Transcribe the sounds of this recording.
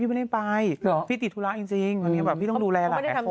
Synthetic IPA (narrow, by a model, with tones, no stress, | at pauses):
i˥˩m˧˥˩da˥˩pa˧jpʰiː˥˩t̪i˨˩t̪ʰːu˦˥la˧˦˥ʔt͡ɕi˧ŋt͡ɕi˧ŋa˧ni˦˥ɐ˩bɛː˨˩pʰiː˥˩t̪ɔ˥˩duː˧lɛː˧la˨˧ka˥kː